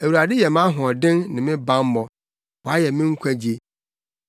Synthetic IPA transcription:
æ˨wu˨ɾa˨dɪ˦jɛ˨mã˦ɦɔ̃˨dɪ̃˦nnɪ̃˨mɪ̃˦bã˦m˦mɔ̃˨ | wɔ˨a˦jɛ˨mɪ̃˦ŋ̩˦kʷʰæ˦d͡ʑi˦e˦

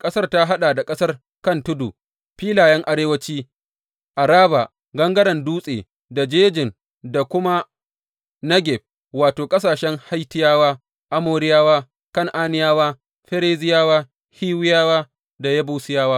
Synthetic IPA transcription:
kʼɐ˦sɐ˦rta˦ɦa˦ɗaː˨da˨kʼɐ˦sɐ˦r | kɐ˦˨ntʊ˦dṵ˨ | ɸiː˦laː˨jɛ˦ŋʔa˨ɾeː˦wɐ˦t͡ʃiː˦ | ʔa˨ɾaː˦ba̰˨ | ɡɐ˦ŋɡɐ˦ɽɐ˨nduː˦sʼḛː˨ | da˨d͡ʒeː˦d͡ʒɪ˨n | da˨kʷʊ˦ma˦ | nɐ˦ɡʲɛ˨b̚ | waː˨toː˨kʼɐ˦s̬aː˨ʃɛ˦ŋha˦jtɪ˦jaː˦waː˦ | ʔa˦moː˨ɾɪ˦jaː˦waː˦ | kɐ˦˨ŋʔaː˦nɪ˦jaː˦waː˦ | ɸɛ˦ɾeː˦zɪ˦jaː˦waː˦ | hiː˦wɪ˦jaː˦waː˦ | da˨jɐ˦buː˦sɪ˦jaː˦waː˦

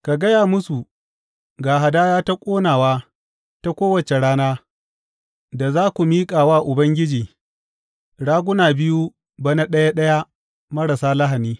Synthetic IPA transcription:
ka˨ɡɐ˦jaː˨mʊ˦su˨ | ɡaː˨ɦa˨daː˦jaː˦ta˦kʷʼoː˦naː˨waː˦ | ta˦kʷoː˦wɐ˨t͡ʃe˨ɽaː˦naː˦ | da˨zaː˦kʷu˨miː˦kʼaː˨waː˦ʔʊ˨bɐ˦ŋɡʲɪ˦d͡ʒiː˨ | ɽaː˦ɡʷʊ˦naː˨bɪ˦ju˦ | bɐ˦na˦ɗɐ˦ja˦ɗɐ˦ja˦ | mɐ˦ɽa˨saː˦lɐ˦ɦa˨niː˦

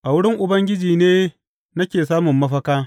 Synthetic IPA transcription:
ʔa˨wʊ˦ɽɪ˦ŋʔʊ˨bɐ˦ŋɡʲɪ˦d͡ʒiː˨neː˦ | nɐ˦kʲeː˨saː˦mʊ˨mːɐ˦ɸɐ˦kaː˦

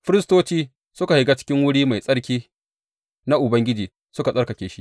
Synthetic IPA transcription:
ɸɪ˦ɾɪ˦stoː˦t͡ʃiː˦ | sʊ˦ka˨hɪ˨ɡa˦t͡ʃɪ̥˦kʲɪ˦ŋwʊ˦ɽiː˦ma˨jsʼɐ˦ɽkʲiː˦ | na˦ʔʊ˨bɐ˦ŋɡʲɪ˦d͡ʒiː˨ | sʊ˦ka˨sʼɐ˦ɾkɐ˨kʲeː˨ʃi˦ʔ

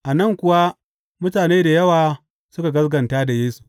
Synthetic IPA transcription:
ʔa˨nɐ˦ŋkʷʊ˨wa˦ | mʊ˦taː˨neː˦da˨jɐ˦waː˨ | sʊ˦ka˨ɡɐ˦sɡɐ˨ntaː˦da˨jeː˦su̥˨

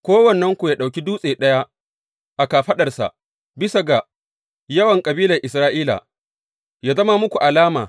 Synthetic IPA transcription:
kʷoː˦wɐ˨nːɐ˦ŋkʷu˨jaː˦ɗa˨wkʲi˦duː˦sʼeː˨ɗɐ˦ja˦ | ʔa˨kaː˨ɸɐ˦ɗɐ˨rsa̰˨ʔ | bɪ˦sa˨ɡa˨ | jɐ˦wɐ˨ŋkʼɐ˨biː˦lɐ˨ʔɪ˨s̬ɾaː˦ʔiː˦la̰˨ | jaː˦zɐ˦ma˦mʊ˦kʷu˨ʔa˨laː˦ma̰ː˨

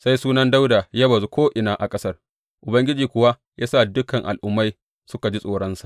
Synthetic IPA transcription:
sa˦jsuː˦nɐ˦nda˦wda˨ja˦bɐ˨zu˦kʷoː˦ʔɪ˨naː˨ʔa˨kʼɐ˦sɐ˦r | ʔʊ˨bɐ˦ŋɡʲɪ˦d͡ʒiː˨kʷʊ˨wa˦ | jaː˦sa˦˨dʊ˦kːɐ˨ŋʔa̰˨lʔʊ˦mːa˦j | sʊ˦ka˨d͡ʒi˦sʼoː˨ɽɐ˦nsḁ˨ʔ

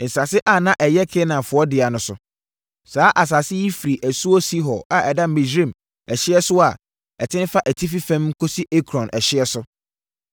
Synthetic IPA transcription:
n̩˨sa˨sɪ˦ʔa˦nã˦ʔɛ˨jɛ˦kʰe˦nã˨fʊ˨ɔ˦dɪ˨a˨nʊ̃˨˦sʊ̰˨ | saː˨˦ʔa˨s̬a˨sɪ˦ji˦fi˨ɾi˨ʔæ˨su˦ɔ˦si˦ɦɔ˨a˨ʔɛ˨da˦mĩ˨zɾĩ˦˨m | ɛ˨ɕɪ˦ɛ˦sʊ˦a˨ | ɛ˨tʰɪ̃˦n˦fa˦ʔæ˨tʰi˦fi˦fɛ̃˦m˦kʰo˦si˦ʔe˦kʰɾɔ̃˨nʔɛ˨ɕɪ˦ɛ˦sʊ˦

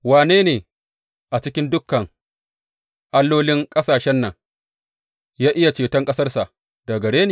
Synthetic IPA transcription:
waː˨neː˦neː˨ | ʔa˨t͡ʃɪ˦kʲɪ˦ndʊ˦kːɐ˨ŋ | ʔa˦lːoː˦lɪ˦ŋkʼɐ˦saː˨ʃɛ˦nːɐ˨ŋ | jaː˦ʔɪ˦ja˨t͡ʃeː˨tɐ˦ŋkʼɐ˦sɐ˦rsa˨ʔ | da˨ɡɐ˨ɽeː˦neː˨

